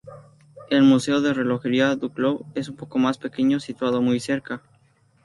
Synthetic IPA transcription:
e̞lmuse̞oðe̞re̞lo̞xe̞ɾiad̪ukloe̞sumpo̞ko̞maspe̞ke̞ɲo̞sit̪wað̞o̞mujseɾka

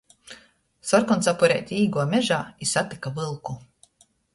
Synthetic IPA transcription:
sɔɾkɔnsapɔɾɛ̰ːt̪ʲiːɡuɔmʲɛʒaːisat̪i̥kavɨlˠku

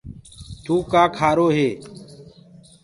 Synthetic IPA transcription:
t̪uːkaːkʰaːɾoːɦeː

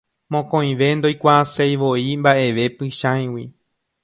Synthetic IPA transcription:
mõkõj̃ʋe̞nd̪o̞jkʷaːsejʋo̞imbaʔe̞ʋe̞pɨʃãj̃wḭ

